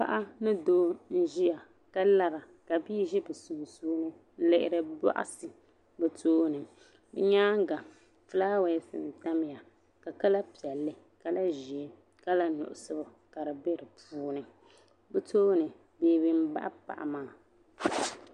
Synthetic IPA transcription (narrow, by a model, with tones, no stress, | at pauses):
pa̰˦ʔa˦nɨ˦doː˦n̩˦ʒi˦ja˨ | ka˦la˦ɾa˨ | ka˨biː˦ʒɛ˦bɨ˨su˨suː˦nɨ˦ | n̩˦lɪ˦ʔɪ˨ɾɨ˦ba̰˦ʔa̰˦sɨ˨ | bɨ˨tʰoː˦nɨ˨ | bɛ̰˦ɲaː˦ŋ˦ɡa˨ | fɨ˦laː˦wɛ˦sɨ̰˨n˨ta˦m˦ja˨ | ka˨ka˦la˦pi˨ɛ˨lːɨ˦ | ka˦la˦ʒi˨e˦ | ka˦la˦nʊ̰˨ʔʊ˨sɨ˦bʊ˨ | ka˨ɾɨ˨be˦ɾɨ˨pʰuː˦nɨ˨ | bɨ˦toː˦nɨ˨ | beː˨˦˨bɨ˦m̩˦ba̰˦ʔa˦pa̰˨ʔa̰˨maː˦˨